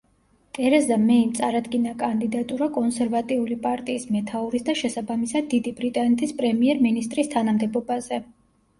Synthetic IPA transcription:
t̪ʼɛɾɛzd̪amɛimt̪sʼaɾad̪ɡinakʼand̪id̪at̪ʼuɾakʼɔnsɛɾvat̪ʼiulipʼaɾt̪ʼiːsmɛt̪ʰauɾisd̪aʃɛsabamisad̪̚ːid̪ibɾit̪ʼanɛt̪ʰispʼɾɛmiɛɾminist̪ʼɾist̪ʰanamd̪ɛbɔbazɛ

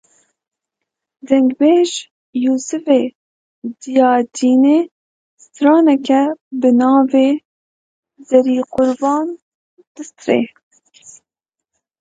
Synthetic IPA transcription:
d̪ɛŋɡbeːʒ | juːsɨveː | d̪ijɑːd̪iːneː | st̪ɾɑːnɛkɛbɨnɑːveː | zɛɾiːqʊɾbɑːn | d̪̥ɨst̪ɾḛː

